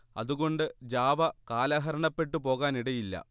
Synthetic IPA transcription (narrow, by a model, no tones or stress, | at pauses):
ɐ̰ðuɣo̞ɳɖɨd͡ʑaːʋɐkaːlaːɦɐɾɐɳɐpːe̞ʈːɨpo̞ːɣaːniɽɐjilːɐ̰